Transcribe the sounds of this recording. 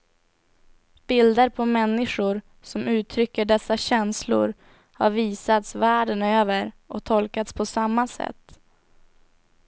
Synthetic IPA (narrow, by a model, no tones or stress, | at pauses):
b̥ɪld̪əɾpʰɔmɛnːɪɧʊɾ | sɔmʉ̟ːt̪ʰɾʏkːəɖɛsːaɕɛnslʊ̰ɾ | ha̰ɾviːsat̪svæːɖənøːvəɾʔɔt̪ʰɔlkat̪spʰɔsamːasɛ̰t̪ː